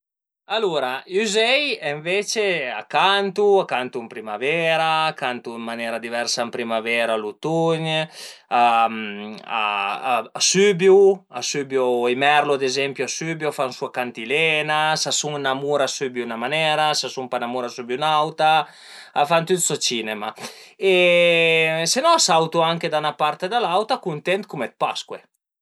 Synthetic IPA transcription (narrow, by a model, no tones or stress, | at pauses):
aluɾayzɛjɛɱvet͡ʃeakant̪uakant̪uimpɾimavɛɾaːkant̪ummanɛːɾad̪ivɛɾsampɾimavɛːɾalut̪uɲ | a | a̰ | asybjuasybjoimɛɾload̪ezɛmpjuasybjoafansuakant̪ilɛnasasuŋnamuɾasybjuunamanɛɾasasumpanamuɾasybjunawt̪a | afant̪ut̪sot͡ʃinemae | senɔasawt̪uaŋked̪anapaɾt̪ed̪alawt̪akunt̪ɛnt̪̚kumɛt̪̚paskwe